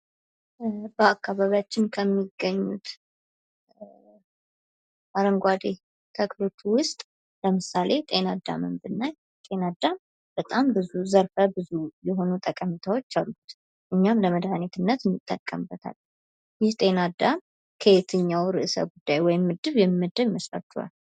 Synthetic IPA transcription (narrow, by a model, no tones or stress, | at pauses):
bəakːaβaβjat͡ʃːɪnkʰəmːiɡːəɲːut̪ | ʔaɾəŋɡʷad̪e | t̪ʰəklo̞t̪ːuwʊst̪ʼ | ləmɨsalʔe̞t̪ʼe̞nad̪a̰mɨmbɨnːaj | t̪ʼe̞nad̪am | b̥ət̪ʼambɨzuzəɾfəbɨzujɛɦo̞nut̪ʼəkʼəmit̪ʰawo̞t͡ʃːalːut̪ | ʔɨɲːamləməd̪hanet̪ʰɨnːət̪ɨnːɨt̪ʼːə̰kʼə̰mbət̪ʰa̰l | jɪht̪ʼe̞nad̪am | kʰəjet̪ʰɨɲːawɾɨʔsə̰ɡud̪ːajwɔjɪmːɨd̪ːɨβjɛmːɨd̪ːəβməsɾa̰t͡ʃ̪ːua̰l